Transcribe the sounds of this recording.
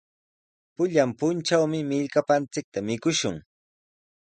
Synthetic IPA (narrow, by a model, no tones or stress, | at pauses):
pʊʎampʊnt͡ʃawmɪmɪʎkapant͡sɪk̚t̪amɪkʊʃʊŋ